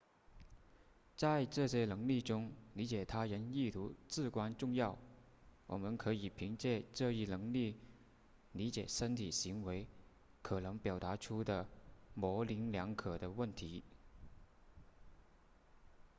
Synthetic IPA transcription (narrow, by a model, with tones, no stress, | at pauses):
t͡sa˥˧ɪʈ͡ʂɤ˥˩ɕjɛ˥nɤ˧˥ŋli˥˩ʈ͡ʂʊ˥ŋli˧˥t͡ɕjɛ˨˩t̪ʰa˥ɻə˧˥ni˥˩t̪ʰu˧˥t͡sɹ̩˥˩kwa˥nʈ͡ʂʊ˥˧ŋjɑ˥˩ʊ | wʔɔ˨˩mə˧˦nkʰɤ˧˥i˨˩pʰi˧˥ŋt͡ɕjɛ˥˧ʈ͡ʂɤ˥˧i˥˩nɤ˧˥ŋli˥˩ | li˧˥t͡ɕjɛ˨˩ʂə˥nt̪ʰi˨˩ɕi˧˥ŋwe˧˥ɪ | kʰɤ˨˩nɤ˧˥ŋpjɑ˨˩ʊt̪a˧˥ʈ͡ʂʰu˥d̪ə˨mɔ˧˥li˧˥nljɑ˧˥ŋkʰɤ˨˩d̪ə˦wə˥˩nt̪ʰi˧˥